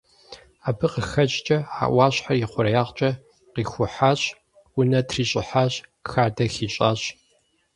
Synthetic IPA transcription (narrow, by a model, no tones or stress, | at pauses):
aːbɨqəxɐt͡ʃt͡ʃʼɐa̰ːʔʷwʷɑːɕħarjɪχʷʊɾɐjaːʁt͡ʃʼɐ | qiːxʷʊħaɕʼ | ʊnɐtʰriːɕʼɪħaɕxaːdɐxiːɕʼaːɕʼ